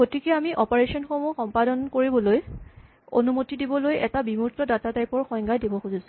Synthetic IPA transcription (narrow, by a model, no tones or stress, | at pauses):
ɡotikɛamiʔɔpaɹesɔnxomuxɔmpadɔnkoɹibɔloj | o̰numotidibɔlojʔɛtabimuɹtɔdatataɹipɔɹxɔjŋɡajdebɔxuzisʊ̥